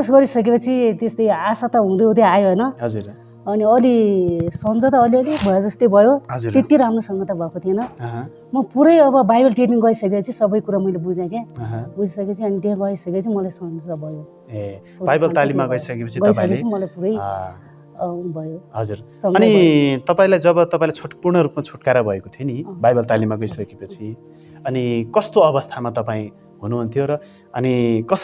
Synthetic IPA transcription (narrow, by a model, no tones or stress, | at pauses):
d͡zʌsɡʌɾisʌk̬epʌt͡sʰit̪est̪ʌjasat̪ʌɦũd̪oot̪jaajoɦʌjnʌɦʌd͡zuɾ | ʌniʌlisʌnd͡zʌt̪aːliʌlibʱʌjod͡zʌst̪ʌjbʱʌjoɦʌd͡zuɾt̪et̪iɾamnosʌŋɡʌt̪abʱʌkot̪ʰienʌɦ | mʌpuɾʌjʌbʌbajbʌlʈriʈniŋɡʌisʌkepʌt͡sʰisʌbʌjkuɾamʌjlebud͡zjãkeɦbud͡zisʌket͡sʰiʌnit̪eɦãɡʌisʌket͡sʰimʌlajsʌnd͡zabʱʌjo | e | bajbʌlt̪alimmːaɡʌisʌkepʌt͡sʰiɡʌʌisãʌkeeimʌlajpuɾʌj | bʱʌjoɦʌd͡zursʌŋɡʌnit̪ʌpaĩlajd͡zʌbʌt̪ʌpaĩlat͡sʰoʈːpurɳʌɾupmat͡sʰoʈkaɾʌbʱʌekot̪ʰjenibajbʌlt̪alimːaɡʌisʌkepʌt͡sʰi | ʌnikʌst̪oʌbʌst̪ʰamat̪ʌpaĩ | ɦunuɦunt̪ʰjoɾʌ | ʌnikʌs